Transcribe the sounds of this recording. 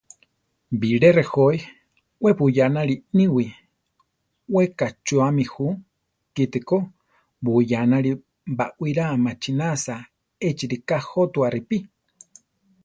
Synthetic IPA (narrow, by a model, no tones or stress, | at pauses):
biɺerehoj | wepujanaɺinĩwi | wekat͡ʃuamĩhu | kit̪eko | bujanaɺi | baʔwiɾamat͡ʃinasa | et͡ʃiɾikahot̪uaripi